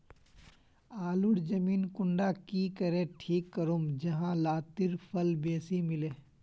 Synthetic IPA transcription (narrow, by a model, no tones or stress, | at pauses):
aːlʊɽd͡ʒɐmiːnkʊɳɖakiːkɐɾẽːʈʰiːkːəɾoːmd͡ʒɐɦãlaːt̪ɪɾpʰɐlbeːsimɪleː